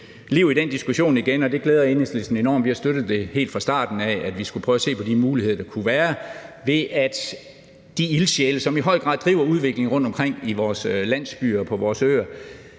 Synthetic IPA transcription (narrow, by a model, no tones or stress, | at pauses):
liʊid̥end̥isɡ̥uɕo̝̰ːniɡ̥enɒ̽d̥e̝ɡ̥leːð̞ˠɐeneslisn̩e̝nɒ̰ːmʋihɑ̈sd̥øɾ̥ð̞̩ˠd̥e̝he̝̰ːld̥fʁɑ̈sd̥ɑ̰̈ːd̥n̩ææd̥ʋisɡ̥upʰœːʊɐse̝̰ːpʰɒ̽dimuːlihe̝ð̞̰ˠɐd̥ɑkʰuʋæːɐʋe̝ʔæd̥ | d̥iilɕeləsɒ̽miɦɒ̽ɪ̰ɡ̥ʁɑ̈ðˠd̥ʁḭːʊɐuð̞ˠʋe̝ɡ̥le̝ŋʁɔ̽n̰d̥ɒ̽mkʰʁeŋ̰iʋɒːslæn̰sb̥y̰ːɐpʰɒ̽ʋɒːsø̰ːɐ